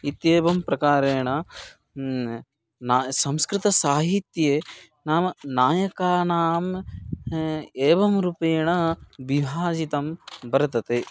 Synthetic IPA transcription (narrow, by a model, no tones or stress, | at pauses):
it̪jeːbɐmpɾɐkaːɾeːɳɐ | naːsɐ̃mskɾɪt̪ɐsaːɦit̪jeː | naːmnaːjɐkaːnaːm | eːʋɐmɾupeːɳɐbibʱaːd͡ʒit̪ɐmbɐɾɐt̪ɐt̪e